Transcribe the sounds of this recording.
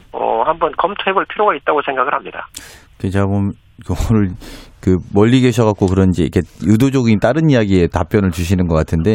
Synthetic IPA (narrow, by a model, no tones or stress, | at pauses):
ʌ̰hambʌnkʌmtʰoebɯɭpʰiɾoɡait̚t͈aɡosʰe̞ŋɡaɡɯɭhamɲida̰ | ket͡ɕʰamom | kɾɯɭkɯmʌʎːiɡeɕʰʌɣak̚k͈okɯɾʌnd͡ʑeḭkʰe̞judod͡ʑoɡint͈aɾɯnijaɡie̞tap͈jʌnɯɭt͡ɕuɕʰinɯnɡʌk͈atʰɯnde̞